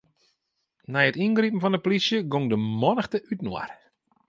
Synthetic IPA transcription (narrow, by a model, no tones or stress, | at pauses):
nɛjətinɡripn̩fɔndəplisjəɡoŋdəmɔnəxtəʔytnwa̰r